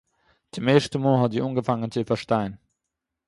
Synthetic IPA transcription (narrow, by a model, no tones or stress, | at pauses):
d̥əmeːʃtəmoːɦɑdiːʔuːnɡəfaŋənt͡səifɐʃtaɪən